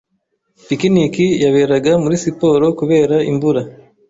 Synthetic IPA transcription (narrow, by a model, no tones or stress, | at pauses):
pikinikijaβe̞ɾaɡamuɾisipo̞ːɾo̞kuβe̞ːɾaʔḭmbuɾa